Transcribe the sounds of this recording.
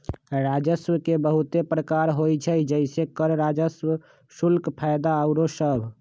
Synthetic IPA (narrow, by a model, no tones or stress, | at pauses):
ɾad͡ʒəswəkebəɦut̪epɾəkaɾɦojt͡ʃʰəd͡ʒəɪsekəɾɾad͡ʒəswə | sulkpʰajd̪aəʊɾosəbʱ